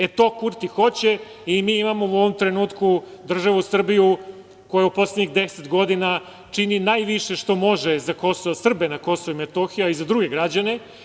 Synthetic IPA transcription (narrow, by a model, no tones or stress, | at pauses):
et̪o̞kuɾt̪ixo̞t͡ɕe | imiːimamo̞uo̞ʋo̞mt̪ɾenuːt̪kud̪r̩ʒaʋusr̩biju | ko̞jaupo̞sledɲiɣd̪eset̪ɡo̞d̪ina | t͡ʂininajʋiʃe̞ʃt̪o̞mo̞ʒezako̞soʋosr̩benako̞soʋoimet̪oxijuaizad̪ɾuɡe̞ɡɾad͡ʑane̞